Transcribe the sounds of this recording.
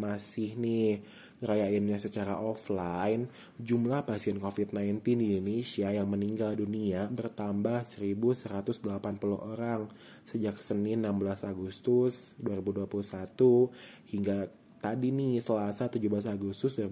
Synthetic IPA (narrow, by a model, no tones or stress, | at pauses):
masɪhni | kəɾajaɪnɲasət͡ʃaɾa̰ʔoflajn | d͡ʒumlahpasiɛnkofit̪̚naint̪ɪndinonesiajaŋməniŋɡalduniabərt̪ambahsəɾibusəɾat̪ʊsdəlapanpuluhoɾaŋ | səd͡ʒaksənɪnambəlasaɡust̪ʊsduaɾibuhduapulusat̪u | hiŋɡa | t̪adinisəlasat̪ud͡ʒubəlasaɡust̪ʊs̬daɾi